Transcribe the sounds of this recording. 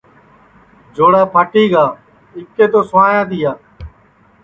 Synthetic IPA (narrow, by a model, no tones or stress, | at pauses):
d͡ʒoːɽaːpʰaːʈiːɡaː | ɪkːeːt̪oːsəaːjãːt̪ijaː